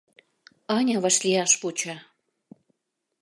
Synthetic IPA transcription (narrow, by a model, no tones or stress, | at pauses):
ɑnʲɑβɑ̆ʃlʲiɑʃput͡ɕɑ